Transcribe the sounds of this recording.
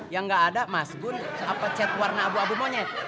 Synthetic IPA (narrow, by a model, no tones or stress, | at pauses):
jaŋɡaʔːdamasɡʊnapat͡ʃɛt̪̚warnaːbuabumoɲɛt̪̚